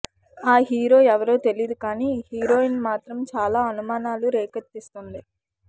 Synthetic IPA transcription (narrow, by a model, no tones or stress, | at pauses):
aːɦiːɾo̞ːɛʋɐɾoːt̪e̞lijd̪ukaːniːhiːɾo̞ːinmaːt̪ɾɐmt͡ʃaːlaːɐnumaːnaːluɾeːkɐt̪ːist̪und̪i